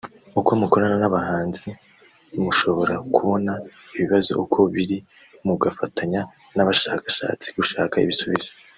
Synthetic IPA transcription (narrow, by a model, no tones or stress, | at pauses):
ukomuko̞ɾananaβahaːnzi | muʃo̞βo̞ɾakuβo̞na | iβiβazo̞̰ʔukʰo̞βiɾi | muɡafataɲa | naβaʃakḁʃa̰ːt͡si̥ɡuʃaːkaiβisuβizo